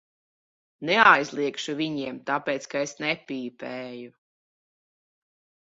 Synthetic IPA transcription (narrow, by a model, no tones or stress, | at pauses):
nɛajzlˠiɛkʃuviɲiɛmt̪apɛːt̪skaesnɛpʲiːpɛːju